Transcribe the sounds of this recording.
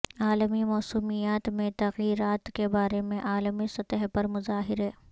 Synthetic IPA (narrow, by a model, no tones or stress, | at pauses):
aːləmimɔːsuːmijaːt̪mẽt̪ɐɣiːɾaːt̪kebaːɾemẽʔaːlmisɐt̪əɦpɐɾmʊzaːɦɪɾɦɛː